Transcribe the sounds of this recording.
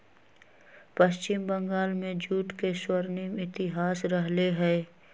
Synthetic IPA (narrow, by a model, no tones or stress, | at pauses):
pəʃt͡ʃɪmbə̃ŋɡaːlmẽd͡ʒuːʈkeswəɾnimɪt̪ɪɦaːsɾəɦleɦɛː